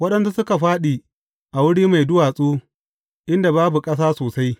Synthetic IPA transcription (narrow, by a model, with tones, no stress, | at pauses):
wɐ˦ɗɐ˦nsu˦sʊ˦ka˨ɸaː˦ɗiː˨ | ʔa˨wʊ˦ɽiː˦ma˨jdʊ˦waː˨sʼuː˦ | ʔɪ˦nda˨baː˦bu˨kʼɐ˦s̬aː˦soː˨sa˦j